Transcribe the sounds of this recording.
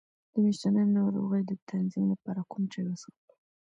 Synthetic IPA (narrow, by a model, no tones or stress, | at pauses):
d̪̥əmiʃt̪anəjnɑɾo̰ɣəjd̪ət̪ʰanzimlapɑɾakumt͡ʃajwəsɑt̪i̥